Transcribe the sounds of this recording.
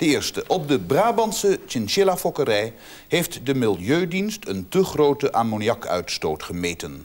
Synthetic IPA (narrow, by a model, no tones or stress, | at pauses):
d̥əɪːɹstəʔɔb̚dəbraːbɑnsət͡ʃɪnʃɪlafɔkərɛj | ɦejftdəmɪlˠjøɥdinstʰəntəχrowtəʔaːmonjɑkʰœ̰ɥtstowtχəmeːjtən